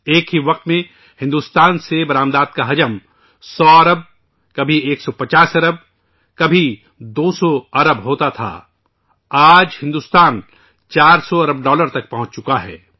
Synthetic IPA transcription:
eːkɦiʋɐq̚t̪mẽ | hɪ̃nd̪uːst̪aːnsebɐɾaːmd̪aːd̪̚kaɦɐd͡ʒəm | sɔːɐɾəb̚ | kɐbʱieːksɔpɐt͡ʃaːsɐɾəb̚ | kɐbʱi | d̪oːsɔɐɾəbɦoːt̪at̪ʰa̰ː | aːd͡ʒhɪ̃nd̪uːst̪aːn | t͡ʃaːɾsɔɐɾəb̚ɖɔːləɾt̪ɐk̚pɐɦʊ̃t͡ʃt͡ʃʊkaɦɛ̰ː

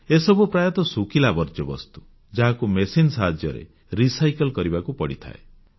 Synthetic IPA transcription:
esɔbupɾajɔt̪ɔsukilabɔɾd͡ʒɔbɔ̰st̪u̥ | d͡ʒaɦakumesinsaɦad͡ʒjɔɾḛ | ɾisajkɔlkɔɾibakupɔɽit̪ʰa̰ḛ

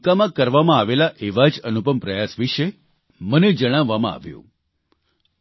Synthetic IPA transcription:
kamãkəɾʋamãːʋelaʔeʋad͡ʒənupəmpɾəjasʋiʃe | məned͡ʒəɽ̃aʋːamã̰a̰ʋjṵ̃

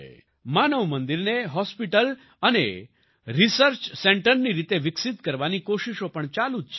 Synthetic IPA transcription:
manəʋmənd̪iɾneɦɔspiʈəl | ənḛ | ɾisəɾt͡ɕsẽɳʈəɾniɾit̪eʋiksit̪kəɾʋanikoɕiʃopəɳt͡ɕalut̪t͡ʃʰe

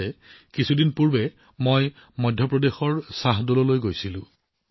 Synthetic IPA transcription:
ɛkisʰudinpuɹbɛ | moj | mɔdʱjɔpɹɔdexɔɹsaɦdulɔlojɡojsilʊ̰̃

